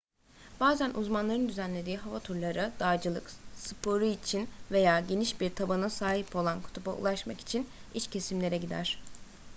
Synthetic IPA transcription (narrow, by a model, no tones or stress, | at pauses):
b̥aːzænʔuzmanlˠaɾɯnd̪yzænlʲe̞d̪iːɦavat̪ʰuɾlˠaɾɯd̪̥aːd͡ʒɯlˠɯ̰ksɯpʰo̞ɾuit͡ʃʰinve̞jaːɟe̞niʃbiɾt̪ʰabanasaːɦipo̞lˠankʰu̥t̪ʰuba̰ṵlˠaʃmaki̥t͡ʃʰinit͡ʃcʰe̞simlʲe̞ɾɛɟid̪æ̰ɾ̥